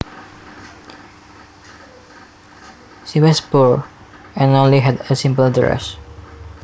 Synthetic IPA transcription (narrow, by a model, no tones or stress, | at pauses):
ʃiwɔspuɹ | ɛ̃nõnliɦɛdəsɪ̃mpəldɹɛ̰s